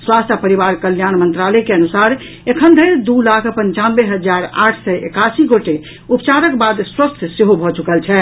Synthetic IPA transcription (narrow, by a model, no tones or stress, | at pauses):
swast̪ʰəpəɾibaɾkəljanmənt̪ɾalɛkeənusaɾ | ekʰənd̪ʱəɪɾd̪ulakʰpəɲt͡ʃanbeɦəd͡ʒaɾa̰ʈʰsɛʔḛkasiɡoʈe | upt͡ʃaɾəkbad̪swəst̪ʰseɦobʱɔt͡ʃukəlt͡ʃʰɛ